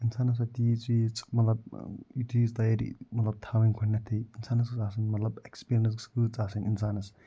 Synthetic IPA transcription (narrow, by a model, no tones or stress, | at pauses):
insaːnɐs̬ɐt̪it͡sit͡sʼmɐt̪lɐb̚jut̪ʰiːzt̪ɐjaɾḭmɐt̪lɐb̚t̪ʰawɐnkʰɐnnːat̪ʰːiinsaːnɐskɨt͡saːsɐnmɐt̪lɐbekspiɾinɐ̃s̬skɨt͡saːsɐninsaːnɐs